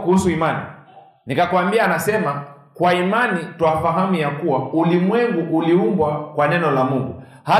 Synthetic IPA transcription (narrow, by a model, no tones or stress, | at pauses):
kuhusuimanḭ | nikakuambiaːnasɛma | kwaimanitwafaɦamijakuwaulimwɛŋɡuʔuliumbwakwanɛnɔlamuŋɡu | ha